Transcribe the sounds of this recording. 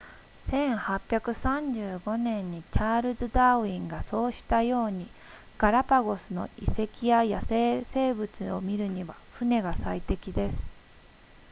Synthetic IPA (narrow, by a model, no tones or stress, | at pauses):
sẽ̞ɰ̃hapʲːjakɯ̟sãɲ̟d͡ʑɨːɡo̞nẽ̞ɲ̟ːit͡ɕaːɾɯ̟zɨd̪aːɯĩŋɡaso̞ːɕi̥t̪ajo̞ːɲ̟i | ɡ̥aɾapaɡo̞sɨno̞̰ḭse̞kʲijajase̞ːse̞ːbɯ̟t͡sɨo̞̰mʲiɾɯ̟ɲ̟iβa | ɸɯ̟ne̞ɡasait̪e̞kʲid̪e̞sɨ̥